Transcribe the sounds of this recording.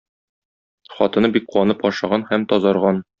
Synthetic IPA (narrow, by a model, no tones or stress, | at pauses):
χɒ̰t̪ɤ̆nɤbik̚quwɑnɤpɒʃɑʁɑnhæmt̪ɒzɑɾʁɑn